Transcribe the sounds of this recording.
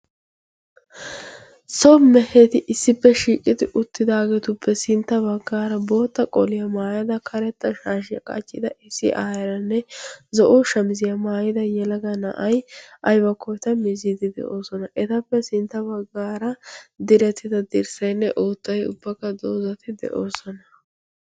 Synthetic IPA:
sɔmɛhet̪ɪʔɪsːɪpːɛʃiːkʼɪd̪ɪʔʊt̪ːɪd̪aːɡɛt̪ʊpʰːɛsɪnt̪ːɐbɐɡːaːɾɐbo̞ːt̪ːɐkʼɔlɪjɐmaːjɐd̪ɐkʰɐɾɛt̪ːɐʃaːʃ̬ɪjɐ̰kʼɐ̰t͡ʃʼːɪd̪ɐʔɪsɪ̰ʔaːjɐɾɐnːɛzɔʔɔʃɐmzɪjɐmaːjɪd̪ɐjɛlɐɡɐnɐ̰ʔɐjʔɐjbɐkːɔjt̪ɐmɪzɪd̪ɪd̪ɛ̰ʔo̞ːsɔnɐʔɛt̪ɐpːɛsɪnt̪ːɐbɐɡːaːɾɐd̪ɪɾɛt̪ːɪd̪ɐd̪ɪɾsɐjnːɛʔoːt̪ːɐjʊ̰bːɐkːɐd̪oːzɐt̪ɪd̪ɛ̰ʔoːsɔnɐ

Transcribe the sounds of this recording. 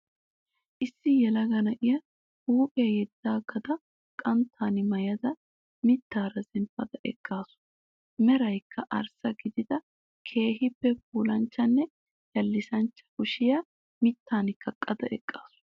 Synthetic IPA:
ʔɪsːɪjɛlɐɡɐnɐʔɪjɐ | huːpʼɪjɐjɛd̪ːaːɡɐd̪ɐ | kʼɐnt̪ʰːaːnɪmɐjɐd̪ɐ | mɪt̪ːaːɾɐzɛnfɐd̪ɐʔɛ̰kʼːaːsʊ̥ | mɛɾɐjkʰːɐʔɐ̰ɾsɐɡɪd̪ɪd̪ɐ | kʰe̞ːɦɪpːɛf̚uːlɐnt͡ʃːɐnːɛ | jɐlːɪsɐnt͡ʃːɐ̥kʊʃɪjɐ | mɪt̪ːaːnɪkːɐkʼːɐd̪ɐʔɛ̰kʼːaːsʊ̥

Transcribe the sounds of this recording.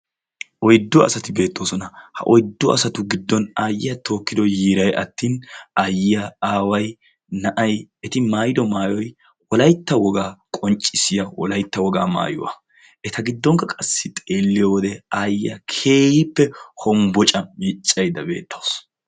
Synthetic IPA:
ʔɔjd̪ːɔɐ̰sɐt̪ɪbe̞ːt̪ːo̞ːsɔnɐhɐ̰ʔɔjd̪ːɔɐsɐt̪ʊɡɪd̪ːɔnaːjɪjɐt̪ʰo̞ːkːɪd̪ɔjiːɾɐjʔɐ̰t̪ːiːnajɪjaaːwɐj | nɐʔɐjɛt̪ɪmaːjɪd̪ɔmaːjɔj | wɔlɐjt̪ːɐwɔɡaːkʼɔnt͡ʃʼːɪsɪjɐwɔ̰lɐjt̪ːɐwɔɡa̰ːma̰ːjʊ̰wɐ̰ | ʔɛt̪ɐɡɪd̪ːɔŋkɐkʼɐsːɪt̪ʼeːlːɪjɔwɔd̪ɛaːjɪjɐ̰kʰeːjɪpːɛhɔmbɔt͡ʃʼɐmit͡ʃʼːɐjd̪ɐbe̞̰ːt̪ːoːs

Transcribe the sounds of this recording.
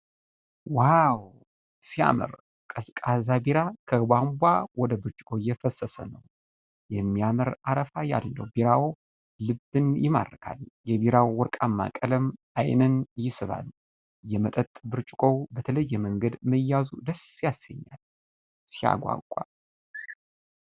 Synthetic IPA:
waw | sia̰mə̰ɾ | kʼəskʼazabeɾakʰəbambʷawɔd̪əbɨɾt͡ʃʼɪ̥kʼo̞jɛfəsːəsə̰nəw | jɛmːijaməɾaɾəfaja̰lːə̰wbeɾawː | ɨbɨnjɪma̰rːəkʰa̰ljɛbeɾawwɔɾkʼamːa̰kʼələm | ajnənjɪsɨβa̰l | jɛmət̪ʼət̪ʼbɨɾt͡ʃʼɪ̥kʼo̞bət̪ʰələjːɛməŋɡəd̪məjːazud̪əsjasːə̰ɲːal | sija̰ɡʷa̰kʷʼa̰

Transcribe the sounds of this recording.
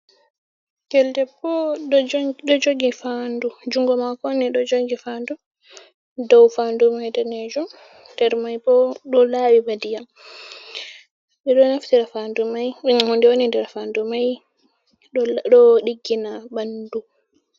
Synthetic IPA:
ɡɛldɛpːɔɗɗɔd͡ʒoɡifandud͡ʒuŋɡɔmakɔniɗɔd͡ʒoɡifandu | dɔwfaːndumajdɛnɛd͡ʒɔ | dɛɾmajbɔɗɔlawibadijam | ɓɛɗɔnaftiɾafandumajɛhɔndɛwonindɛɾfaːndumaj | ɗɗɔɗiɡːinabandu

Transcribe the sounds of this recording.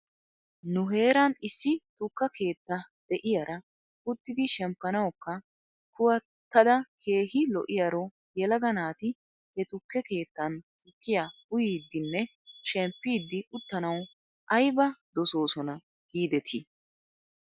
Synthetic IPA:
nʊɦe̞ːɾɐnɪsːɪt̪ʊkːɐke̞ːt̪ːɐd̪̥ɛʔɪjɐɾɐ | ʊt̪ːɪd̪ɪʃɛmpːɐnɐwkːɐ | kʊwɐ | t̪ːɐd̪ɐkʰe̞ːɦɪlɔʔɪjɐɾo | jɛlɐɡɐnaːt̪ɪ | hɛt̪ʊkːɛke̞ːt̪ːɐnt̪ʊkːɪjaʊjiːd̪ːɪnːɛ | ʃɛmpːiːd̪ːɪʊt̪ːɐnɐw | ʔɐjbɐd̪ɔso̞ːsɔnɐ | ɡ̥iːd̪ɛt̪ʰɪ

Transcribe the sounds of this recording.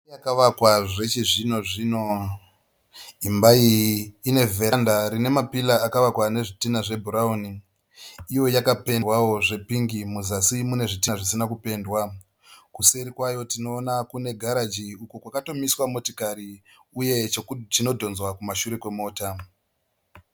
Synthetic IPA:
jakaʋakwaʐe̞t͡ʃiʐino̞ʐino̞ | imbaiːne̞vʱe̞andaɾine̞mapilaːkaʋakwane̞ʐitinaʐe̞bʱuɾauniː | jo̞jakape̞wawo̞ʐe̞piŋɡimuzasimune̞ʐitiʐisinakupe̞ːndwa | kuseɾikwajo̞tino̞ːnakune̞ɡʱaɾad͡ʒiukukwakato̞miswamotikaɾi | uje̞tino̞dʱo̞nzwakumaʃuɾekwe̞mo̞ːta

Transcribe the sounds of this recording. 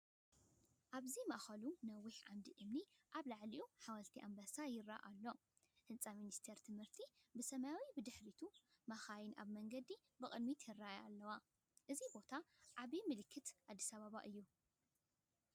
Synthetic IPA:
ʔaβzima̰ʔxɐlunɐwːiħʕamd̪iʔɨmniʔaβlaʕliʔuħawɐlt̪ʰiʔambasajɪra̰ʔalːo̞ | hɨnt͡sʼaminist̪ʰeɾt̪ʰɨmhɨɾt̪ʰibɨsɐmajawibɨd̪ɨħɾit̪ʰumaxajɪnʔa̰βmɐŋɡɐd̪i | bɨkʼɨd̪mit̪ʰɪraja̰lːɐwa | ʔɨzibo̞t̪ʰaʕaβimɨlɨkʰːɨt̪ʕad̪ːisaβaβa̰ʔɨjːu

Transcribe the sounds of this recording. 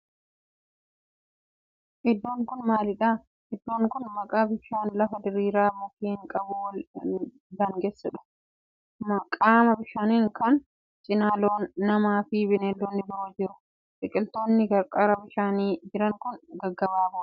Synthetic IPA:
ʔɪd̪ːoːŋkʊnmaːlɪᶑaː | ʔɪd̪ːoːŋkʊnmɐkʼaːbɪʃaːnlɐfɐd̪ɪɾiːɾaːmɐt̪iːhɪŋkʼɐbʊl | d̪ɐŋɡesːɐᶑʊ̥ | mɐkʼaːmɐbɪʃaːniːŋkɐn | t͡ʃʼɪnaːloːnːɐmaːfɪbɪneːlːoːnːɪbɐʔod͡ʒɪɾʊ | t͡ʃʼɪkʼɪlt̪oːnːɪɡɐɾkʼɐɾɐbɪʃaːniːd͡ʒɪɾɐŋkʊnɡɐɡːɐbaːbʊ

